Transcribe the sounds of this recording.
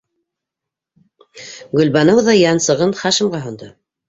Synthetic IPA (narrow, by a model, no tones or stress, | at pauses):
ɡɵ̆lbɑnɤwðɑjɑnsɤ̆ʁɤnχɑʃɘ̆mʁɑɦŏnd̪ɤ